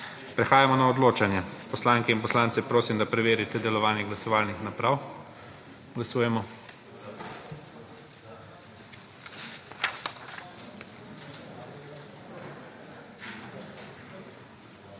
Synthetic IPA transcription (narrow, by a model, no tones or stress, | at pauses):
pɾɛxaːjamɔnaɔd̪loːt͡ʃanjɛpɔslaŋkɛinpɔslaːnt̪sɛpɾoːsimd̪apɾɛʋeːɾit̪ɛd̪ɛlɔʋaːniɡlasɔʋaːlnixnapɾaw | ɡlasuːjɛmɔ